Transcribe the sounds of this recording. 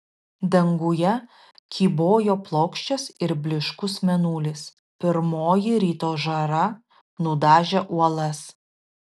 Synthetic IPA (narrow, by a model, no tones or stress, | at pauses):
d̪ɐŋɡʊjɛ | kʲiːboːjoːplˠoːkʃʲt͡ʃʲɛsɪɾbʲlʲɪʃkʊsmʲɛnuːlʲɪs | pʲɪɾmoːjɪɾʲiːt̪oːʒɐɾɐ | nʊd̪ɑːʒʲɛʔuɔlˠɐs